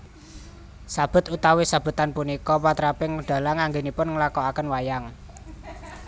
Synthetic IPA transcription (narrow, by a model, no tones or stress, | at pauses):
sab̥ʊ̤t̪ut̪awesab̥ʊ̤t̪anpunikɔwat̪ɾapɪŋəɖ̥a̤laŋaŋɡenipʊnŋəlakɔakənwajaŋ